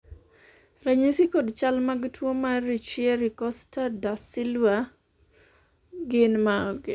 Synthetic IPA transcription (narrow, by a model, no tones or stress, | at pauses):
ɾɛɲisikodt͡ʃalmaɡtʰwomaɾit͡ʃjiɛɾikɔstadasɪlwa | ɡɪnmaɡɪ